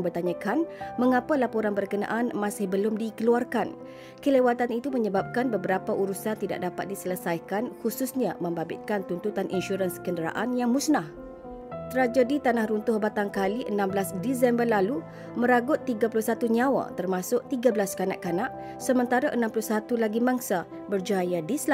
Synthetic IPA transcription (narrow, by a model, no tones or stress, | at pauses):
ŋbərt̪aɲãkanməŋapalapoɾanbərkəna̰ʔanmãsɪhbəlʊmdikəluarkan | kəlewat̪anit̪uməɲəbap̚kanbəbəɾapaʔuɾusant̪ida̰ʔ̚dapat̪̚disələsajkanhususɲa̰mə̃mbabɪ̰t̪̚kant̪unt̪ut̪anʔḭnʃuɾanskəndəɾa̰ʔanjaŋmũsnah | t̪əɾad͡ʒadit̪anahɾunt̪ʊhbat̪aŋkaliʔənãmbəlasdisɛmbərlalu | mə̃ɾaɡʊt̪ːiɡapulʊhsat̪uɲãwa̰t̪ərmãsʊʔt̪iɡabəlaskana̰ʔkanãʔ | səmə̃nt̪aɾaʔənãmpulʊhsat̪ulaɡimãŋsa | bərd͡ʒajadisla